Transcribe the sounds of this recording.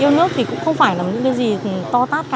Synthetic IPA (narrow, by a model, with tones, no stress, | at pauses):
ʔi˧əwnɨ˦˥ək̚t̪ʰi˨˩kʊ̰˧˥ŋ͡mxə˧wŋ͡mfaː˧˩jlaː˨˩m˩ɲɨ̰˧˥ŋkaː˨˦jzi˨˩˨t̪ɔ˧t̪aː˦˥t̚ka˧